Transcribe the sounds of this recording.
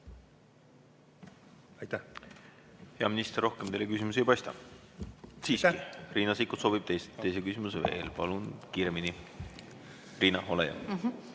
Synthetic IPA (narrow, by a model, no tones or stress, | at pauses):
ɑjt̪æ | he̞ɑminist̪erːo̞hkemt̪ejlːekys̬imus̬ejpɑjst̪ɑ̰ | siːsiriːnɑsikut̪so̞bib̥t̪ejse̞jse̞kysimuseve̞̰ːlpɑlunkiːɾe̞mini | riːnɑo̞lḛjɑ̰